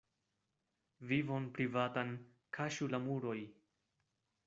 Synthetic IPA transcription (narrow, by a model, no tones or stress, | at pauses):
vivonpɾivatan | kʰaʃulamuɾo̞j